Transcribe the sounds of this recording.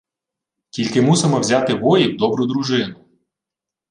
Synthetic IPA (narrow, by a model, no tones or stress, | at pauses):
kʲilʲkɪmusɪmɔwzʲɑt̪ɪʋɔjiwd̪ɔbɾʊd̪ɾuʒɪnʊ